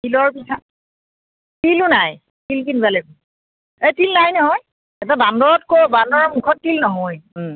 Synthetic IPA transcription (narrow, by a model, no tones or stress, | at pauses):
tilɔɹpisʰa | tilunaj | tilkinbalɛk | etilnajnɔɦɔj | ɛtabandɔɹɔtkobandɔɹɔmukʰɔtːilnɔɦɔj